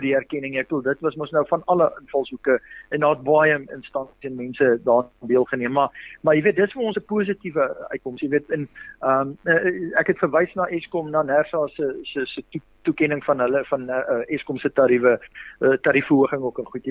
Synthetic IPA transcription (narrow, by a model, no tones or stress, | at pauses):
diærkɛnəŋiæk̚tulˠdətvɐsməsnəwfɐnɐləʔənfɐlˠsukəɛndɑːət̚bɑjəə̰nstɐnsi̥sɛnmɛnsədɑːnbiəlˠχəniəmːɐmɐjəviət̚dətsfəɔ̃nsəpuəs̬ətivəœ̰ɥt̚kɔmsjəviətənəməækɦɛtfərvəjsnɑːʔɛskɔmnɑːnærsɑːsəsəsətu | tukɛnəŋfɐnɦələfɐnəʔəʔɛskɔmsətɑɾifəətɑɾifəuəχəŋokənχutə